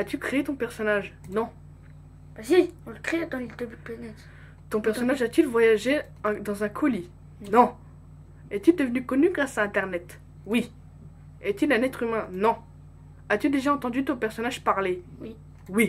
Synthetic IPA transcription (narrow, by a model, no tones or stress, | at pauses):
at̪ykχeet̪ɔ̃pɛʁsɔnaʒnɔ̃ | b̥asiɔ̃ləkχet̪ild̪əbyd̪əplanɛt̪ | t̪ɔ̃pɛʁssɔnaʒat̪ylvwajaʒe | ɛ̃d̪ɑ̃zɛ̃kʰɔli | nɔ̃ | ɛt̪yd̪əvnykɔnyɡʁasaɛ̃t̪ɛʁnɛt̪ | wi | ɛt̪ylɛ̃nɛt̪χymɛ̃nɔ̃ | at̪yd̪eʒaɑ̃t̪ɑ̃d̪yt̪ɔ̃pɛʁsɔnaʒpaʁlewi | wi